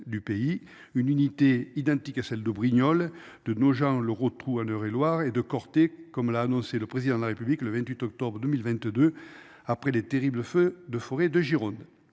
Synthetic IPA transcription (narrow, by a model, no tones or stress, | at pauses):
d̪ypei | ynynit̪eid̪ɑ̃t̪ikasɛld̪əbʁiɲɔl | d̪̥ənoʒɑ̃ləʁot̪χuɑ̃nœʁelwaʁed̪əkɔʁt̪ekɔmlaːnɔ̃seləpχezid̪ɑ̃d̪əlaʁepyblikləvɛ̃nt̪ɥit̪ɔk̚t̪ɔbʁəd̪əmilvɛ̃nt̪d̪ø | apχelet̪eʁibləfød̪əfɔʁed̪əʒiʁɔ̃nd̪